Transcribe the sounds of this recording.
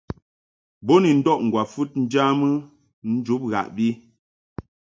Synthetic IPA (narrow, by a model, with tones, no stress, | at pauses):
bo˦ni˨n̩˦dɔ˦ʔŋ̩˨ɡwa˨fu˦t̚n̩˦d͡ʒa˦mɨ˦ | n̩˦d͡ʒu˨˦p̚ɣa̰˨ʔbi˦